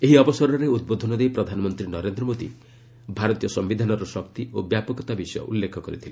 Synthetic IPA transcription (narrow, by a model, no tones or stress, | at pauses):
eɦiɔbɔsɔɾɔɾeud̪̚bod̪ʱɔnɔd̪ejpɾɔd̪ʱanɔmɔnt̪ɾinɔɾend̪ɾɔmod̪ḭ | bʱaɾɔt̪ijɔsɔmbid̪ʱanɔɾɔsɔk̚t̪iobjapɔkɔt̪abisɔjɔ̰ʔulːekʰɔkɔɾḭt̪ʰile